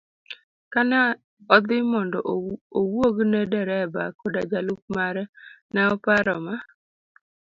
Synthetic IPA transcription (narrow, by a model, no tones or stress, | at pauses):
kana | ɔd̪ɪmɔndɔʔowoɡnɛdɛɾɛba̰kɔdad͡ʒalʊk̚maɾɛnɛɔpaɾɔma